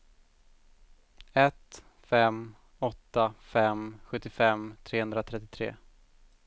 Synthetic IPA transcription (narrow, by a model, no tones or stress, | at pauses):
ɛt̪ | fɛm | ɔt̪ːafɛmɧɵt̪ːɪfɛmt̪ʰɾeːhɵnd̪ɾat̪ʰɾɛt̪ːɪt̪ʰɾḛː